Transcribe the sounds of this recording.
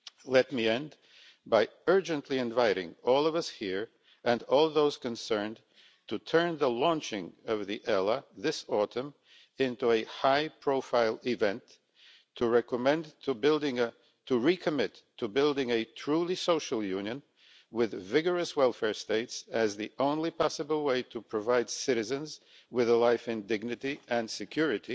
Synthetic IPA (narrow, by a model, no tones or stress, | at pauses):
lɛt̚miɛ̃nd | baɪɜ˞d͡ʒɨ̃nʔliɨ̃ɱvaɪɾɪ̰̃ŋɔlˠʌvʌshiɹ | ɨ̃nɔlˠðoʊz̥kɨ̃nsɜ̃˞nd | tʰɨtʰɜ̃˞nðəlɔ̃nt͡ʃɪ̃ŋʌvðiʔɛlˠəðɪsɔɾɨ̃m | ɪ̃ntuɨhaɪpʰɹ̥oʊfaɪlˠɪvɛ̃ntʰ | ɨɹɛkəmɛ̃nbɪlˠdɪ̃ŋʰ | ɨɹikʰɨmɪtʰːɨbɪlˠdɪ̃ŋɨtʰɹ̥ulˠisoʊʃl̩ˠjʉ̃njɨ̃n | wɪðvɪɡə˞ɨswɛlˠfɛɹsteɪtsɨzðiʔõʊ̃nlipʰɑsəbl̩ˠweɪɾɨpʰɹ̥ɨvaɪd̥sɪɾɨzɨ̃nz | wɨðəlaɪfɨ̃ndɪɡ̚nɨɾiʔɨ̃nsɨkʰj̥ʊɹɨɾi